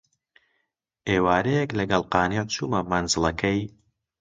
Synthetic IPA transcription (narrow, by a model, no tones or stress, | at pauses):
ʔeːwaːɾɛjɛklɐɡɐlˠqɑːnet͡ʃʰuːmɐmɐnzɨlˠɐkʰɐj